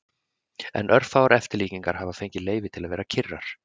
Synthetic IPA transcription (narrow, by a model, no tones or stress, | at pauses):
ɛ̰nʔœɾfawaɾɛft̪ɪɾliːciŋkaɾ̥havafejɲcɪleːjvɪt̪ʰɪlaðvɛːɾacʰɪrːaɾ̥